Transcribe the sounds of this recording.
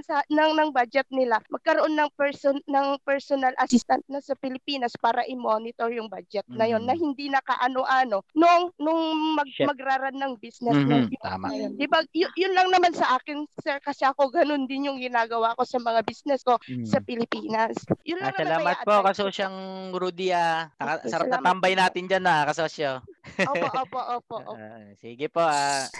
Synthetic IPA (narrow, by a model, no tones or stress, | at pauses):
sɐnɐŋnɐŋbad͡ʒɛt̪̚nɪlamɐɡ̚kɐɾoʔo̞nːɐŋpɛɹsonnɐŋpɛɹsonɐlʔɐsɪst̪ɐnt̪̚nɐsɐpɪlɪpiːnɐspaːɾɐʔɪmo̞nɪt̪o̞ɹjʊŋbaːd͡ʒɛt̪̚nɐjo̞nːɐhɪnd̪inɐka̰ʔɐnoʔano̞noʔŋnʊŋmɐɡ̚mɐɡɾaːɾɐnːɐŋbisnɛsnɐŋad̪ɪbajʊjʊnlɐŋnɐmansɐʔaːkɪnsɛɹkɐsɛʔɐko̞ɡɐno̞nd̪ɪnjʊŋɡɪnaːɡɐwako̞sɐmɐŋabisnɛsko̞sɐpɪlɪpiːnɐsjʊnlaŋaɐllaːɐmɐt̪̚poʔkɐsoʃaŋɾud̪iaɐsɐɾanɐt̪ambɐjnaːt̪ɪnd͡ʒanːɐakɐsosoʔoːʔʔoːpoʔoːpoʔo̰ːposiːɡɪpoʔa